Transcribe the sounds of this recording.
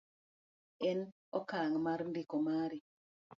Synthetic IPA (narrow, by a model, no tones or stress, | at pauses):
ɛn | ɔkaŋmaɾndikomaɾi